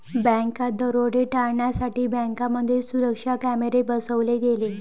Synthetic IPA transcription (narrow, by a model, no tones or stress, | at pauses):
bɛ̃ŋkad̪əɾoɽeʈaɭɳjasaʈiːbə̃ŋkaməd̪ʱːjesuɾəkʂakæmeɾebəsəʋleɡele